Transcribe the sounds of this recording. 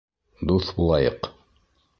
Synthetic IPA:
d̪uθbulˠɑjɤq

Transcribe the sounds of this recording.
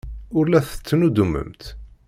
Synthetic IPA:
ʊɾlæθə̥t͡sːnud̪umə̰mt̪

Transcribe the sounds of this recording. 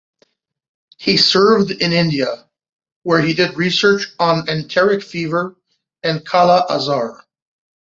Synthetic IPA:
hisɜ˞vdɪ̃nɪ̃ndiɨ | wə˞idɨd̚ɹisɜ˞t͡ʃn̩ɨ̃ntʰɛɹɨkfivə˞ | ɨ̃nkʰɑlˠəʔəzɑɹ

